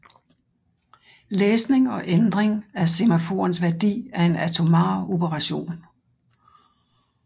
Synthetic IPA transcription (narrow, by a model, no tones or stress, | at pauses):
leːsne̝ŋɒ̽ʔend̥ʁeŋæse̝mæfo̝̰ːɐnsʋæɐd̥ḭːæɐe̝næt͡sʰo̝mɑ̰̈ːo̝bəʁɑ̈ɕo̝̰ːn